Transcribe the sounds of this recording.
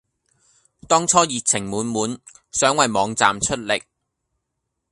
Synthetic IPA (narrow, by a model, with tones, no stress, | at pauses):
t̪ɔː˥ŋt͡ʃʰɔː˥jiː˨k̚t͡sʰɪ˨˩ŋmuː˨˥nmuː˨˥n | sœː˨˥ŋwɐ˨jmɔː˨˧ŋt͡sa̰ː˨mt͡ʃʰɵ˥t̚lɪ˨˩k̚